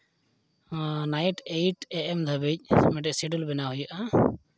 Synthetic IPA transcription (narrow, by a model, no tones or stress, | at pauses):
najʈejʈɛʔɛmd̪ʱəbic̚ˀmɛɖɛʔsiɖulbɛnaɦujaʔa